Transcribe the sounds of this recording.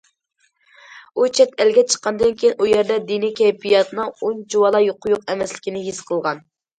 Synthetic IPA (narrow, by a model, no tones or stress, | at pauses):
ut͡ʃʰɛt̪ɛlɡʲɛt͡ʃʰə̥qʰːɑnd̪ɨnkʲejinujɛɾd̪ɛd̪inikʲʰɛjpʰijɑt̪ʰnɨŋund͡ʒuwɑlˠɑjoqʰʊjuq̚ɛmɛslɪkʲinɪɦisqʰəlˠʁɑn